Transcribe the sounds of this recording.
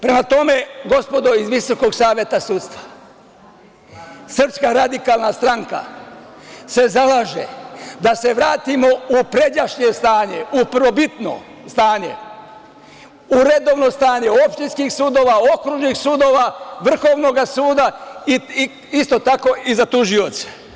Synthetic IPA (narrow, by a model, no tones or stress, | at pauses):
pɾe̞mat̪o̞me̞ɡo̞spo̞d̪o̞izʋiso̞ko̞ɡsaːʋje̞t̪asut̪st̪ʋḁ | sr̩pskaɾad̪ikaːlˠnast̪ɾaŋka̰ | se̞zalaːʒḛd̪ase̞ʋɾaːt̪imo̞upɾe̞daʃɲe̞st̪aːɲe̞up̩ʋo̞bit̪no̰ | st̪aːɲe̞̰ | uɾe̞d̪o̞ʋnost̪aːɲe̞o̞pʃt̪inskixsuːd̪o̞ːʋao̞kɾuʒnixsud̪oʋaʋr̩xo̞ːʋno̞ɡasuːd̪ai | ist̪o̞t̪ako̞izat̪uʒio̞t̪sḁ